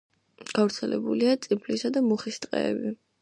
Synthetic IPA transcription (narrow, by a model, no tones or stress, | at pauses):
ɡ̥avɾt̪sʰɛlɛbuliat̪sʼipʰlisad̪amuχist̪ʼqʼɛ̰ːbi